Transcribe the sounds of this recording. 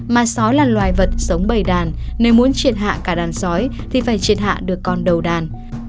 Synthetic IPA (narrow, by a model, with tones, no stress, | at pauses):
maː˨˩sɔ˨˦jlaː˨˩lwaː˨˩jvə˨˩t̚sə˨˦wŋ͡mɓə˧˩jɗaː˨˩nne˨˦wmu˨˦ənt͡ɕi˧˩ənɦa̰ː˧˨kaː˧˩ɗaː˨˩nsɔ˨˦jt̪ʰi˨˩faː˧˩jt͡ɕi˨˧˩ənɦa̰ː˧˨ɗɨ˨˩əkːɔ˧nɗə˨˩wɗaː˨˩n